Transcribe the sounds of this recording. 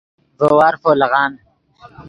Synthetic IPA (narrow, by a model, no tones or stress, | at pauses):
vowaːɾfoːlɐɣɑːn